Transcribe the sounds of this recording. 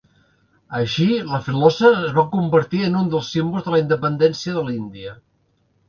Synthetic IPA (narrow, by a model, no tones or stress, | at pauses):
əʃiləfilɔsəːzβakumbəɾt̪iənund̪əlˠsimbulˠzðələind̪əpənd̪ɛnsiəðəlind̪iə